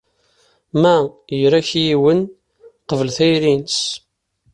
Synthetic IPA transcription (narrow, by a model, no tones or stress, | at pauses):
mæjɾæçjiwən | qəvəlθæjɾins